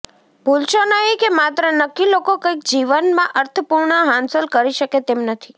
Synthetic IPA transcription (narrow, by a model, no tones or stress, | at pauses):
bʱulʃonəɦikemat̪ɾənəkːilokokəik̚d͡ʒiʋənmãʔəɾt̪ʰəpuɾɳəɦãnsəlkəɾiʃəket̪emnət̪ʰi